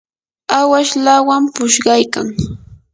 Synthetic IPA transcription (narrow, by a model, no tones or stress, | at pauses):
awaʃlawampʊʃɢɑjka̰ŋ